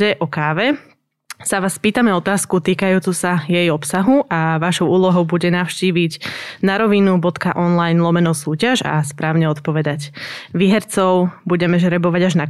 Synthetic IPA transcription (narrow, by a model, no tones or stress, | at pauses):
ɛʔɔkaːʋɛ | saʋaːspiːt̪amɛɔt̪aːskut̪iːkajuːt͡susajɛjɔpsaɦuʔaʋaʃɔʊʔuːlɔɦɔʊbuɟɛnaʊʃciːʋiɟnaɾɔʋinubɔt̪kaʔɔnlajnlˠɔmɛnɔsuːcaʒa̰spɾaːʊɲɛɔt̪pɔʋɛd̪aɟʋiːɦɛɾt͡sɔʊbuɟɛmɛʒɾɛbɔʋaɟaʒna